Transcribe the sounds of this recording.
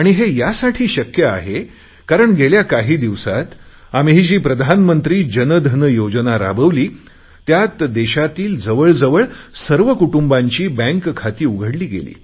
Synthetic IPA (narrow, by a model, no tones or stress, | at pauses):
aɽ̃iɦejasaʈʰiːɕəkjəaɦe | kaɾəɳɡʱeljakaɦiːd̪iʋsat̪ | am̤iɦiːd͡ʑiːpɾəd̪ʱanmənt̪ɾiːd͡ʑənəd̪ʱənəjod͡znaɾa̰bəʋliː | t̪jat̪d̪eɕat̪iːld͡zəʋəɭd͡zəʋəɭsəɾʋəkuʈumbaɲt͡ɕiːbɛ̃ŋkkʰːat̪iːuɡʱəɽliːɡḛlḭː